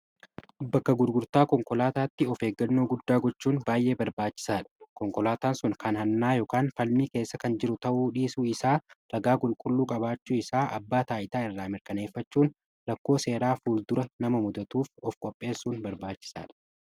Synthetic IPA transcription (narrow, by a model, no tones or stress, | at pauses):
bɐkːɐɡʊɾɡʊɾt̪aːkɔŋkɔlaːt̪aːt̪ːɪɔfe̞ːɡːɐnːoːɡʊd̪ːaːɡɔt͡ʃːuːnbaːjʔe̞ːbɐɾbaːt͡ʃːɪ̥saːᶑɐ̥kɔŋkɔlaːt̪aːnsʊnkʰɐnhɐnːaːjoːkaːnfɐlmiːke̞ːsːɐkɐnd͡ʒɪɾʊt̪ɐʔuːᶑiːsuːɪsaːɾɐɡaːkʼʊlkʼʊlːuːkʼɐbaːt͡ʃːuːɪsaːʔɐ̰bːaːt̪aːʔɪt̪aːɪrːaːmɪɾkɐne̞ːfːɐt͡ʃːuːn | ɾɐkːo̞ːse̞ːɾaːfuːld̪ʊɾɐnɐmɐmʊd̪ɐt̪uːfɔfkʼɔpʼːe̞ːsːuːnbɐɾbaːt͡ʃːɪ̥sa̰ːᶑɐ̥